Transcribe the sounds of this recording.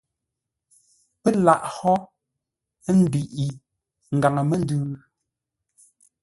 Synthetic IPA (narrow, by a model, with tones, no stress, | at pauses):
pe˦la˨ʔhɔ˦ | n̩˦di˨ʔi˨ | ŋ̩˨ɡa˨ŋə˨me˦n˦dʉː˦